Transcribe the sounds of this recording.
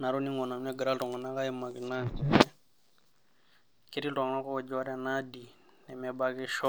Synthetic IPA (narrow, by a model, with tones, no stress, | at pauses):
na˨ɾu˦ni˦ŋɔ˨na˨m˦nɛ˦ɡə˨ɾa˦ltɔ˨ŋa˨na˦ka˦ji˦ma˨ki˨na˦ŋkɛ˨ɛ˦ | ki˦ɾi˦tɔ˨ŋ˨na˦kɔ˦˨d͡ʒa˦ɾɛ˦na˦di˨ | nɛ˨mɛ˨ba˦ki˦ʃɔ˦